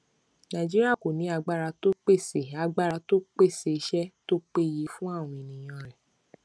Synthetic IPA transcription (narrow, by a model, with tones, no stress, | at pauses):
nã˨d͡ʒi˦ɾi˦a˦˨ko˨nĩ˨˦a˧ɡ͡ba˦˨ɾa˧to˦k͡pe˦˨se˨a˨˧ɡ͡ba˦˨ɾa˧to˦k͡pe˦˨se˧˦ʃɛ˦to˦k͡pe˦˨ji˨˧˦fũ˦a˦˨w̃ũ˧i˨nĩ˨j̃ã˧ɾɛ˨